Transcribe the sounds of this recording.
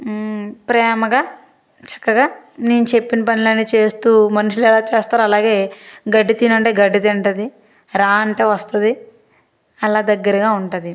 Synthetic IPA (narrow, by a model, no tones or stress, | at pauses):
pɾɛːmɐɡaː | t͡ʃɐ̥kːɐɡaːneːnut͡ʃe̞pːinɐpɐnilɐnːiːt͡ʃe̞ːst̪uːmɐnɐʃulɛlaːt͡ʃeːst̪aːɾuɐlaːɡe̞ːɡɐɖːit̪inɐɳʈe̞ːɡɐɖːit̪eɳʈɐd̪i | ɾaːɐɳʈe̞ːʋɐst̪ɐd̪i | ɐlaːd̪ɐɡːɐɾɐɡaːuɳʈɐd̪i